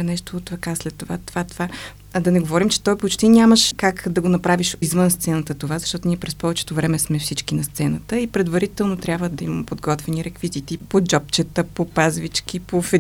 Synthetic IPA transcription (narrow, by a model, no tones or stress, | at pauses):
nɛʃt̪oːt̪ɾɐkaslɛt̪ːovat̪ovat̪ova | d̪ɐnɛɡovɔɾimt͡ʃɛ̥t̪ɔjpot͡ʃt̪inʲaməʃkakd̪ɐɡonɐpɾaviʃizvənst̪sɛnət̪ət̪ovazɐʃt̪ɔt̪oniɛpɾɛspɔvɛt͡ʃɛ̥t̪ovɾɛmɛsmɛfsit͡ʃkinɐst̪sɛnət̪əipɾɛd̪vɐɾit̪ɛlˠnot̪ɾʲabvəd̪ɐimɐpod̪ɡɔt̪vɛniɾɛkvizit̪ipod͡ʒɔp̚t͡ʃɛt̪əpopazvit͡ʃkipofɛ